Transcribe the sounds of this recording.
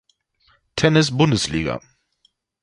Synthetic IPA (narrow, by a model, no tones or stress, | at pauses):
tʰɛnɪsbʊndəsliːɡɐ̰